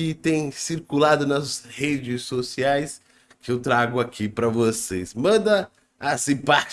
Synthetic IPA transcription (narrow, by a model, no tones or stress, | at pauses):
ɪt̪ẽj̃siɾkulad̪ʊnɐshed͡ʒɪsːosiajs | kɪewt̪ɾaɡʊakʰipɾɐvosesmɐ̃nd̪ɐː | sĩpat͡ʃ